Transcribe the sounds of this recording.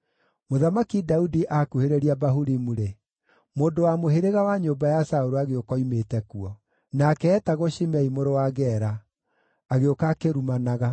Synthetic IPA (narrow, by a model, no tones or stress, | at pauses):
moðamakidaudiʔakuheɾeɾiabaɦuɾimuɾe | moːndowamoɦeɾeɣawaɲobajasaoɾoaɣeokɔimetɛkuɔ | nakɛːtaɣoʃimɛimoɾowaɣɛɾaː | ɣeokakeɾumanaɣa